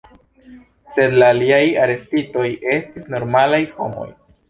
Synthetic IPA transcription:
se̞d̪laːliajaɾe̞stito̞je̞stisno̞ɾmalajho̞̰mo̞̰j

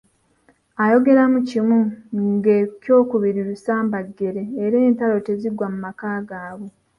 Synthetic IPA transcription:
ajo̞ɡe̞ɾamucimuŋɡecjo̞ːkuβiɾiɾusaːmbaɡːe̞ɾe̞ːɾe̞ːntalo̞te̞ziɡwamumakaːɡaːβe

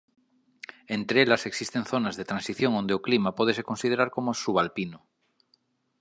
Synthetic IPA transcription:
ẽnt̪ɾeelaseksist̪enθonazðet̪ɾansiθjoŋond̪eoklimapoð̞esekonsið̞eɾaɾkomosuβalpino

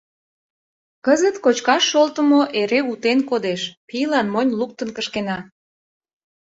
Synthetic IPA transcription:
kəzət̪kot͡ɕkɑʃːolt̪əmoʔeɾeut̪enkod̪eʃpijlɑnmonʲluk̚t̪ənkəʃkenɑ

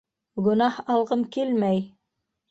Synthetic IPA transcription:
ɡɵ̆nɑhɑlˠʁɤmkelmæj

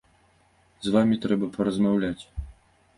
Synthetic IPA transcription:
zvamʲit̪ɾɛbɐpɐɾɐzmawlʲat͡sʲ

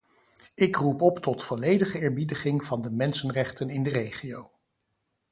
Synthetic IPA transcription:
ɪkrupɔptɔtfɔlejdəχəɪːɹbidəχɪŋvɑndəmɛnsənrɛχtənɪndərejχiow

